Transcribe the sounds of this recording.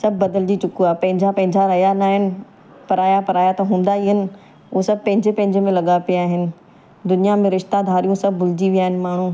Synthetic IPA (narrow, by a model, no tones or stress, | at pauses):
sɐbʱbɐd̪əld͡ʑit͡ɕʊkuapɐ̃ɦɪ̃ɲd͡ʑʱapɐ̃ɦɪ̃ɲd͡ʑaɾɐjanaːɦɪnɪ̆ | pɐɾaːjapɐɾaːjat̪ɐɦũːn̆d̪aiɦənɪ̆ | ʊosɐb̚ʱpɐ̃ɦɪ̃ɲd͡ʑɪpɐ̃ɦɪ̃ɲd͡ʑəmẽlɐɠapijaːɦɪnɪ̆ | d̪ʊnijamẽɾɪʃt̪ad̪ʱaːɾijũsɐb̚ʱːʊlɪd͡ʑiʋiaːɦɪnɪ̆maːɳ̤ũː